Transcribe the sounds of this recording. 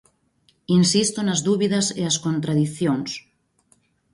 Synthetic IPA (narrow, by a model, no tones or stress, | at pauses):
insist̪onazðuβiðaseaskont̪ɾaðiθjons